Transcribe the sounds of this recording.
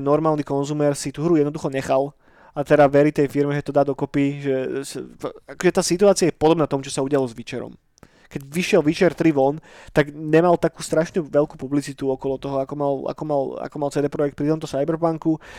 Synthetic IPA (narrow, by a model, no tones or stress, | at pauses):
nɔɾmaːlnikɔnzuːmɛːɾsit̪uɦɾujɛd̪nɔd̪uxɔɲɛxal | at̪ɛd̪aʋɛɾit̪ɛjfiɾmɛʒɛt̪ɔd̪aːd̪ɔkɔpiʒɛsakɔʒɛt̪aːsit̪uaːt͡sɪajɛpɔd̪ɔbnat̪ɔmut͡ʃɔsauɟɪalɔzʋit͡ʃɛɾɔ̰m | kɛɟʋiʃɪɛlʋit͡ʃɛɾt̪ɾiʋɔnt̪aɡɲɛmalt̪akuːst̪ɾaʃnuʋɛʎkuːpublit͡sit̪uɔkɔlɔt̪ɔɦɔakɔmala̰kɔmala̰kɔmalt͡sɛd̪ɛːpɾɔjɛk̚t̪̚pɾit̪ɔmt̪ɔsajbɛɾpaŋku